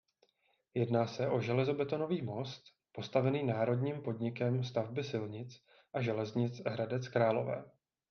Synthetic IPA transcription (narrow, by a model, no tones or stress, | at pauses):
jɛdnaːsɛʔo̞ʒɛlɛzo̞bɛt̪o̞no̞viːmo̞st̪ | po̞st̪avɛniːnaːɾo̞dɲiːmpo̞dɲɪkɛmst̪avbɪsɪlɲɪt͡s | ʔaʒɛlɛzɲɪt͡sɦɾadɛt͡skɾaːlo̞̰vɛ̰ː